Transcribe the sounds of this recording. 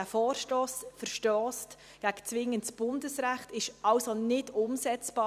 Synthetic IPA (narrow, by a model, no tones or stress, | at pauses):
æfɔːrʃtɔːsfəɾʃtɔːst | ɡ̥æɡ̥ət͡sʋɪŋːəntsb̥ʊndəsɾæχtɪʃɑʊsonɪdʊmsɛt͡sb̥ɑː